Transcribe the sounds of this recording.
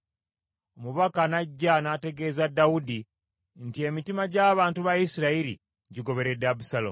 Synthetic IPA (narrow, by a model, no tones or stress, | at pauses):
omuβakanaɟːanate̞ɡe̞zadːawudi | ntie̞mitimaɟaːβaːntuβajisiɾaiɾḭ | ɟiɡo̞βe̞ɾedabusalom